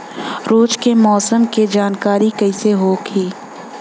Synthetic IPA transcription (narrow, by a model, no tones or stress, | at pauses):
ɾoːd͡ʒkemɔːsəmked͡ʒaːnkaːɾikɐɪseɦoːɡʰiː